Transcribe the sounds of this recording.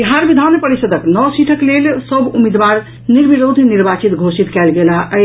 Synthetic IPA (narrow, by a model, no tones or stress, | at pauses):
iɦaɾbid̪ʱanpəɾisəd̪ʱəknɔsiʈʰəklelsəbʱumid̪ʋaɾ | niɾbiɾod̪ʱniɾbat͡ʃit̪ɡʱosit̪kɛlɡelaʔə